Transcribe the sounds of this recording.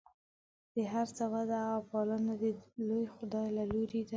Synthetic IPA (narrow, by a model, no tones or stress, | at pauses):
d̪̥əɦaɾt͡sawad̪aaɣapɑlənad̪əlojxʊd̪ɑjlaloɾid̪a